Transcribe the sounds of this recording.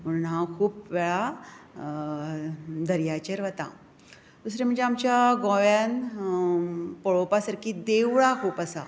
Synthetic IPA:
m̤əɽ̃unɦãkʰuːpʋeɭa | d̪əɾjat͡ɕəɾʋət̪ã̰ | d̪usɾem̤əɳd͡zeamt͡ɕjaɡɔ̃ʋjan | pəɭopasəɾkʰiːd̪eʋɭakʰuːpəsa

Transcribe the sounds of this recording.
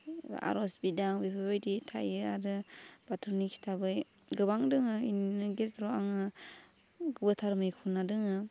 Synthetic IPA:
a̰ɾɔsbidaŋbipʰabajditʰa̰jɯa̰ɾɯb̥atʰɔnikstʰabɯj | ɡɯβaŋdɯŋɯinɯɡesɾɔaŋɯ | ɡɯbɯtʰaɾmɯjkʰunadɯŋɯ

